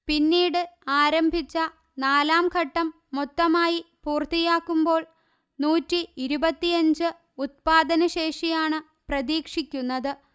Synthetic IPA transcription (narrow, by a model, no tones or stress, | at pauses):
pinːiːɽɨaːɾɐmbʱit͡ɕːɐ | naːlaːmkʰɐʈːɐmːut̪ːɐmaːjipuːrt̪ijaːkːumbo̞ːɭ | nuːtːiiɾubɐt̪ːijɐɲd͡ʑɨ | ut̪̚paːd̪ɐnɐɕe̞ːʂijaːɳɨ | prɐðiːkʂikʲːunːɐðɨ